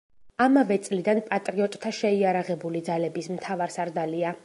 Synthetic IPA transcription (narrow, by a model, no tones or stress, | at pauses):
amavɛt̪sʼlid̪anpʼat̪ʼɾiɔt̪ʼt̪ʰaʃɛiaɾaʁɛbulid̪zalɛbismt̪ʰavaɾsaɾd̪alia